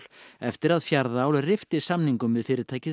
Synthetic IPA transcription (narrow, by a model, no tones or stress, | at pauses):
l̥ɛft̪ɪɾaðfjaɾðaaːwlrɪft̪ɪ̥samniŋkʏmvɪðfɪːɾɪɾt̪ʰaːjcɪ